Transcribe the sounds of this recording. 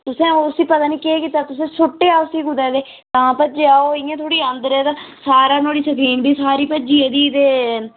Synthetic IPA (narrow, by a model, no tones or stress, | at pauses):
t̪ʊsẽːosiːpət̪aːniːkekiːt̪aːt̪ʊsẽːsʊʈːeːaːosiːɡʊd̪ɛːd̪eː | t̪ãːpəd͡ʒeaoːɪjãːt̪ʰoːɽiːə̃nd̪əɾɛːt̪ãːsaːɾaːnoːɽiːsəpʰiːnbiːsaːɾiːpəd͡ʒiːeːd̪iːd̪eː